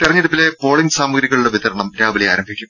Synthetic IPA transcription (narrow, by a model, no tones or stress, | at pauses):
t̪irɐɲːiɽupːile̞po̞ːɭiɲɡsaːmuɡɾiɣɐɭuɽe̞ʋit̪ɐɾɐɳɐmɾaːʋilijaːɾɐmbʱikʲːum